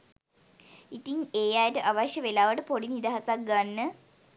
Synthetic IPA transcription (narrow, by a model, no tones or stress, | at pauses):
it̪iŋeːjajəʈəʔaʋaʃjəʋelaːʋəʈəpoɽinid̪aɦasak̚ɡanːə